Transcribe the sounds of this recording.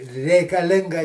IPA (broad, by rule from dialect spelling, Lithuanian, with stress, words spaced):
rʲɛɪkɐˈlʲɪŋɡɐ